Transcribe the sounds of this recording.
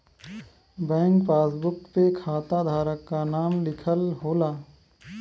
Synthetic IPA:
bɛ̃ːŋkpaːsbʊkpekʰaːt̪ad̪ʱaːɾəkːanaːmlɪkʰəlɦoːlaː

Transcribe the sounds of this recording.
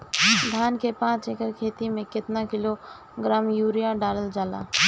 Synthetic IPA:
d̪ʱjaːnkepãːt͡ʃekəɾkʰeːt̪imẽkɪt̪nakɪlo | ɡɾaːmjuːɾijaɖaːləld͡ʒaːla̰ː

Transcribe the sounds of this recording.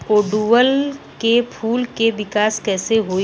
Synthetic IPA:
oːɖuʋəl | kepʰuːlkeʋɪkaːskɛːseɦoː

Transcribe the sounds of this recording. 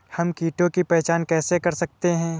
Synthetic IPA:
hɐmkiːʈõkipɛːt͡ʃaːnkɛːsekɐɾsɐk̚t̪eɦɛ̃ː

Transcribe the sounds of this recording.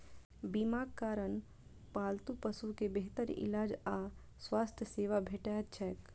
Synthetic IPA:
bimaːɡkaːɾən | paːlt̪upəsukebeɦt̪əɾɪ̰laːd͡ʒa | swaːst̪ʰjəseːʋabʱeːʈat̪t͡ʃʰɛːk

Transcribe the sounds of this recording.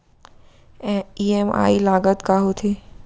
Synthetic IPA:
ɛ̃iːema̰ːilaːɡət̪kaɦot̪ʰiː

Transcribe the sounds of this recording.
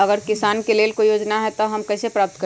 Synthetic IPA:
ɐɡəɾkɪsaːnkeleːlkojoːd͡ʒnaɦɛt̪oɦɐmkɛːsepɾaːp̚t̪kə

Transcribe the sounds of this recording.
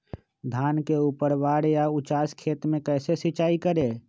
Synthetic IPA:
d̪ʱaːnkeuːpəɾʋaːɽjaʊt͡ʃaːskʰeːt̪mẽkɛːsesɪt͡ʃaːikəɾeː

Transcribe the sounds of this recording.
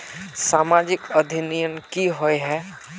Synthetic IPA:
saːmad͡ʒɪkəd̪ʱinijənkiɦoeɦɛ

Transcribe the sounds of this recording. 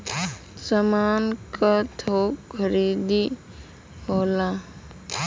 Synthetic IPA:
səmaːnkʰat̪ʰoːkkʰəɾid̪i | ɦoːla

